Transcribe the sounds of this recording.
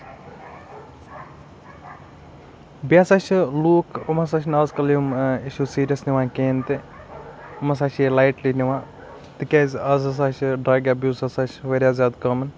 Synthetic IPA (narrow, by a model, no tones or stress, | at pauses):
biasaʃluːkʰɐmɐs̬aʃnaːzkɐlijumiʃuːsiːɾʲjɐsniʋãːkeːnt̪i | ɐmɐs̬aːʃelajʈliːniʋãː | t̪ikʲeːzʲɐzɐs̬aʃɖɾaːɡaːbjuːsɐsaʃʋɐɾjaːzʲjaːd̪kɐːmɐn